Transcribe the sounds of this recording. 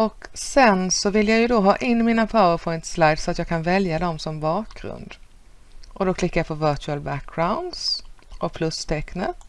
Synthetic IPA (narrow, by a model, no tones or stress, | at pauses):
ɔksɛnsɔvɪlːjɑːɡjɵd̪oɦɑːʔɪnːmiːnapʰaʊəpʰɔʏnt̪slajd̪sɔat̪jɑːɡ̚kʰanvɛljad̪ɔmsɔmbɑːkɡɾɵ̰nd̪ | ʔɔd̪ɔkʰlɪkːajapʰɔvœt͡ʃʉəlbæk̚ːɡ̥ɾaʊnd̪sʔɔpʰlɵst̪ʰɛknə